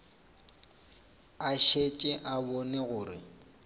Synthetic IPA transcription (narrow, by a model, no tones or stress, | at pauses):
aʃet͡ʃʼɛʔabɔnɛɣʊːrɪ̰